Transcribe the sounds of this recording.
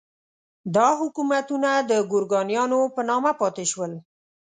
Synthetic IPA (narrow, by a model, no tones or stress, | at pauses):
d̪ɑɦʊkumat̪unad̪əɡʊɾɡɑnjɑnopənɑmapɑt̪eʃwəl